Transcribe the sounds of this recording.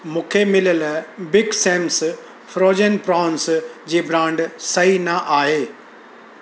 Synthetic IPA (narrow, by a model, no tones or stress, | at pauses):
mũːkʰemɪləlbɪɡsẽːms | fɾoːd͡ʑənpɾaːnsd͡ʑiːbɾãːɳɖsɐɦinɐʔaːɦeː